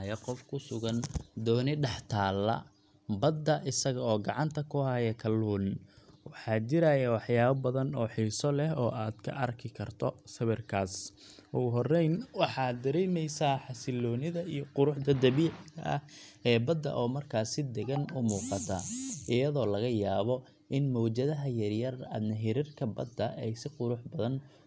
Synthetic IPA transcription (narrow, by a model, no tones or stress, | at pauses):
jɐqɔfkʰʊsʊɣɐnd̪ɔːnɪɖɑħt̪ʰaːlːɐ̰ | bɐd̪ːɐʔɪsɐɣɐɔːɡɑʕɑnt̪ʰɐkʰʊhajɛkʰɐlːuːnwɑħɑːt͡ʃɪɾajɐwɑħjaːβɐbɐðɐnɔːħiːsɔlɛɦɔːʔaːd̪̥kʰɐ̰ʔɐrkʰɪkʰɐrt̪ʰɔsɐβɛrkʰaːsʊɦɔrɛjnwɑħɑːd̪ɐɾɛjmɛjsaːħɑsɪlɔːnɪðɐijɔqʊɾʊħd̪ɐd̪ɐβiːʕɪɐʔɐ̰hɛːbɐd̪ːɐ̰ʔɔːmɐrkʰaːsɪd̪ɛɣɐnʊmuːqɑt̪ʰɐ̰ʔɪjɐðɔːlɐɣɐjaːβɔ | ʔɪnmɔːt͡ʃɐðɐɦɐjɐrjɐrɐ̰nɐɦiɾɪrkʰɐbɐd̪ːɐʔɛjsɪqʊɾʊħbɐðɐn